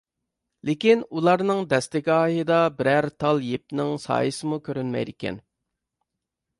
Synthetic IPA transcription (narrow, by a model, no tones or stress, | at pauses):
lɪkʲinulˠɑɾnɨŋd̪ɛst̪ɪkʲɑːjɨd̪ɑbɪɾæɾt̪ʰɑlˠjep̚nɪŋsɑ̰ːjɨsɨmukʲʰøɾynmɛ̰jd̪ɪkʲʰɛ̰n